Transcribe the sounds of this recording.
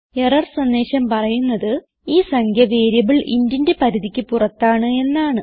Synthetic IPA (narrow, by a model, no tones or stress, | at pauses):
e̞rɐrsɐnd̪e̞ːɕɐmpɐrɐjunːɐðɨ | iːsɐŋkʰjɐʋeːɾjɐʋiɭʔḭndindepɐɾiðikʲːɨpurɐt̪ːaːɳɨe̞nːaːɳɨ